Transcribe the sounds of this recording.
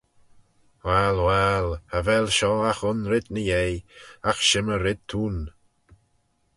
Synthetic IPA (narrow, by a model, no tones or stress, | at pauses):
wɛlwɛləvɛlʃɔaxʊnɾɪd̪nəjejaxʃɪməɾɪd̪̚t̪ʰuːn